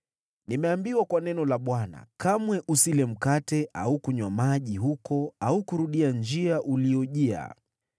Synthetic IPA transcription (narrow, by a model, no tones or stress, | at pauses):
nimɛambiwakwanɛnɔlaɓwana̰kamwɛʔusilɛm̩katɛʔa̰ukuɲwamaʄiɦukɔaukuɾuɗiand͡ʒiaʔuliɔʄia̰